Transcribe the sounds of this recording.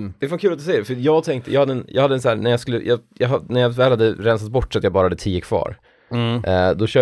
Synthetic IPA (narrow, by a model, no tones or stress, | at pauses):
d̥̪ɛfankʰʉːlat̪d̪ɵsɛjːəɖɛfəjɑːɡt̪ʰɛŋk̚t̪əjɑɡhad̪ːəɛnjɑɡhad̪ːəɛnsæːɾnæjɑskɵlːə̰jʔɑjɑɦanæɾjɑvɛːlhad̪ːəɾɛnsat̪̚bɔʈːsɔat̪jɑbɑːɾahad̪ːət̪ʰiːəkʰv̥ɑ̰ːɾ | d̪ɔɕœː